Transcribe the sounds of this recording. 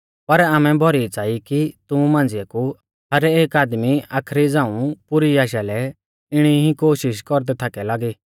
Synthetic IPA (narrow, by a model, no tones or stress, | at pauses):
pɐɾaːmɛ̃bʱɔɾit͡saːikit̪ʊũmãːnd͡zɪjaku | ɦɐɾeːkaːd̪miaːkʰɾid͡zãːũpʊɾiaːʃalɛ | ɪɽ̃iɦĩkoːʃɪʃkɔɾd̪ɛt̪ʰaːkɛlaːɡiː